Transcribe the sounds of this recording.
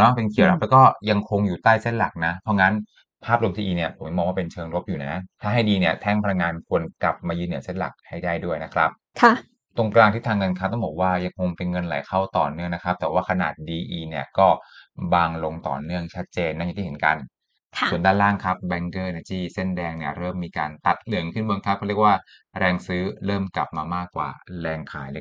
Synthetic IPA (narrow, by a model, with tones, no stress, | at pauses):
nɔ˦˥pe˧nkʰi˨˩˦na˦˥lːkɔː˥˩ja˧ŋkʰo˧ŋjuː˨˩t̪aː˥˩jse˥˩nla̰˨˩k̚na˦˥pʰɔ˦˥ŋa˦˥n | pʰaː˥˩p̚lu˧mt̪ʰiː˧ʔiː˧ni˧˩ɐpʰo˩˦m˥˩mɔː˧waː˥˧pe˧nt͡ɕʰɤː˧ŋɾo˦˥p̚juː˨˩na˦˥t̪ʰaː˥˩ɦa˥˩jdiː˧ni˥˩ɐt̪ʰɛ˥˩ŋpʰa˧la˧ŋːaː˧nkʰu˧ənkla˨˩p̚maː˧jɯː˥˧nːɯ˨˩˦se˥˩nla̰˨˩k̚ha˥˩jdaː˥˩jdu˥˩əjna˦˥kʰɾa˦˥p̚ | kʰa˥˩ | t̪o˧ŋklaː˧ŋt̪ʰiː˥˩t̪ʰaː˧ŋːɤ˧nkʰaː˦˥t̪ɔ˥˩ŋbɔː˨˩k̚waː˥˩ja˧ŋkʰo˧ŋpe˧nŋɤ˧nla̰˨˦jkʰa˥˩wt̪ɔ̰ː˨˩nɯ˥˩əŋna˦˥kʰɾa˦˥p̚t̪ɛː˨˩waː˥˩kʰa˧na̰ː˨˩t̪̚diː˧ʔiː˧ni˦˥˩ɐkɔː˥˩baː˧ŋlo˧ŋt̪ɔ̰ː˨˩nɯ˥˩əŋt͡ɕʰa˦˥t̪̚t͡ɕeː˧nːa˥˩j̪ʰiː˥˩e˩˦nka̰˧n | kʰu˨˩˦ndaː˥˩nlaː˥˩ŋkʰɾa˦˥p̚bɛ˧ŋkɤː˥˩na˧˩t̪ʰiː˥˩se˥˩ndɛː˧ŋni˥˩ɐɾɤː˥˩mːiː˧kaː˧nt̪a˨˩t̪̚lɯ˨˦əŋkʰɯ˥˩nbo˧ŋkʰa˦˥p̚kɔː˥˩i˥˩ək̚waː˥˩ | ɾɛː˧ŋsɯː˦˥ɾɤː˥˩mkla˨˩p̚maː˧maː˥˩kːwa̰ː˨˩ɾɛː˧ŋkʰa̰ː˩˦jl